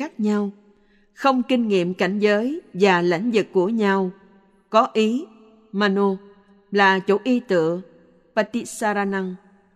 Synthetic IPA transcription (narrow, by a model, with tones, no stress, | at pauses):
aː˦˥k̚ɲa˧w | xə˧wŋ͡mkï˧ŋ̟ŋḭ˧˨əmka˧˩jŋ̟zəː˨˦jvaː˨˩la̰˧˥˦jŋ̟zɨ˨˩kːu˧˩əɲa˧w | kɔ˨˦ʔi˨˦ | maː˧no˧ | laː˨˩t͡ɕo˧˩ʔi˧t̪ɨ̰˧˨ə | paː˧t̪i˦˧˥saː˧ɾaː˧na˧ŋ